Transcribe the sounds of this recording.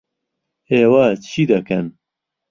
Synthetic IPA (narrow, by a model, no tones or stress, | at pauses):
eːwɐt͡ʃʰiːd̪ɐkɐn